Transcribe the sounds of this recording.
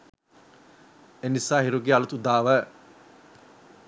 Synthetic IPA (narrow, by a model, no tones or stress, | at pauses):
enisaːɦiɾuɡealut̪ud̪aːʋæ